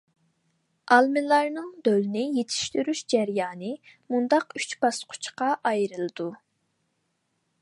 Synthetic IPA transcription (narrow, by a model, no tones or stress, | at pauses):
ɑlˠmɪlˠɑɾnɨŋd̪ølnɪjet̪ʰi̥ʃt̪yɾyʃd͡ʒæɾjɑːnɨmund̪ɑqyt͡ʃpɑsqʰʊ̥t͡ʃʰqɑʔɑjɾɨlˠɨd̪̥u